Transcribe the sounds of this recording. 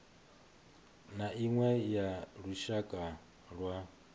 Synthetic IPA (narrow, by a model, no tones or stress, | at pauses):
naʔiŋwɛjaɺuʃakʼa | ɺwa